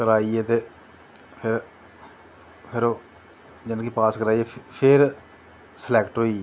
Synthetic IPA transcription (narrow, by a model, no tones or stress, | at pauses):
kəɾaːieːt̪eː | pʰɪɾ | pʰɪɾoː | d͡ʒɪnkiːpaːskəɾaːieːpʰɪɾ | səlɛːkʈɦoːiː